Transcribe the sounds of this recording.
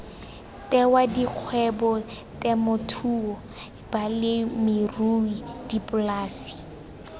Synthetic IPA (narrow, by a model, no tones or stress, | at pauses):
tɛwadiq͡χʰwɛbɔtɛmʊtʰuːɔ | b̥alɪmɪruidipʊlaːsi̥